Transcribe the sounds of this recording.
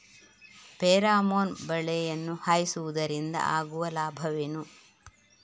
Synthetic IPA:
peːɾaːmoːnbɐɭɛjɐnːuhaːjisuʋud̪ɐɾind̪ɐ̰ʔaːɡuʋɐlaːbʱɐʋenu

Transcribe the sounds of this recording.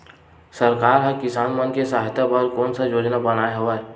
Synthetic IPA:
səɾkaːɾɦəkɪsaːnmənkesaːɦɪt̪abəɾkoːnsəd͡ʒoːd͡ʒnabənaːeɦoʋaɛ

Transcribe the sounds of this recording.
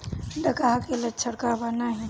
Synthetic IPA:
d̪əkaɦkelətːʃʰəɽkabanaɦɛ̃

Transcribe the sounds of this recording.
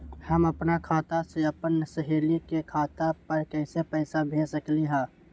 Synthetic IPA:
həmɐpnakʰaːt̪aseɐpənsəɦeːlikekʰaːt̪apɐɾkɛːsepəɪsabʱeːsəkliɦɛ̃ː

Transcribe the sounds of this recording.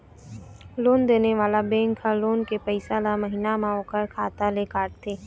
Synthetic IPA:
loːnd̪eːneʋaːlabẽːŋkʰaloːnkepəɪsalamɐɦiːnamãoːkəɾkʰaːt̪alekaːʈt̪ʰːeː

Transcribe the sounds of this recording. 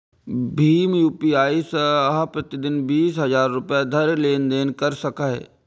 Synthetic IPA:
bʱiːmjuːpiaːisəɦapɾɐt̪id̪ɪnbiːsɦɐzaːɾːʊpjad̪ʱɐɾleːnd̪eːnkɐɾsɐkaɦɛ̰ː

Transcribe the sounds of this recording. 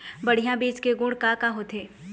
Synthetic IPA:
bɐɽ̤ijãbiːt͡ʃkeɡʊ̃ːɽkakaɦot̪ʰeː

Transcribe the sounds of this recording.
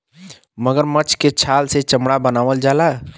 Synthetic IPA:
məɡəɾmət͡ʃket͡ʃʰalset͡ʃəmɽabənaʋəld͡ʒala

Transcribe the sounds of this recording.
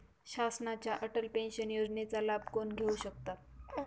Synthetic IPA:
ɕasnat͡ɕjaʔəʈəlpẽnɕənjod͡znet͡salab̚konɡʱeuɕək̚t̪at̪̚

